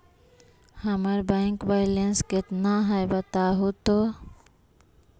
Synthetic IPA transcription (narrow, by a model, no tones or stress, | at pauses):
həməɾbɛ̃ːŋkbaɪlenskɪt̪naɦɛjbət̪aɦut̪o